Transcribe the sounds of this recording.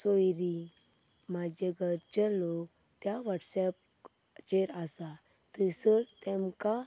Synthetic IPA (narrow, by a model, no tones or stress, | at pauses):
sojɾi | mad͡ʑeɡəɾt͡ɕɛlok | t̪jaʋaʈsɛp̚ | t͡ɕeɾasat̪əsəɾt̪ɛ̃mka